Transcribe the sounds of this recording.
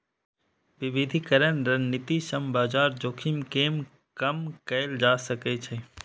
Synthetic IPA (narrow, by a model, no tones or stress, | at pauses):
ʋɪʋɪd̪ʱikəɾəñɾənnɪt̪iʃəmbaːd͡ʒaːɾd͡ʒoːkʰɪmkeːm | kɐmkɐeld͡ʒaːsəket͡ʃʰe